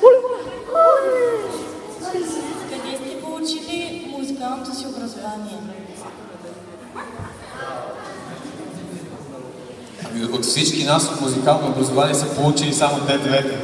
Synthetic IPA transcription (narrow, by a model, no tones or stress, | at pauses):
kɐd̪ɛst̪ɛpolˠut͡ʃilimuzikalˠnot̪osiobɾɐzovaniɛ | a | ikot̪fsit͡ʃkinasot̪muzikalˠnoobɾɐzovaniɛsəpolˠut͡ʃilisamot̪ɛd̪vɛt̪ɛ